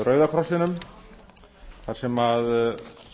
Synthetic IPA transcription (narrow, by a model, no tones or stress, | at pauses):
rœːɥðakʰɾɔsɪnʏm | θaɾ̥sɛmað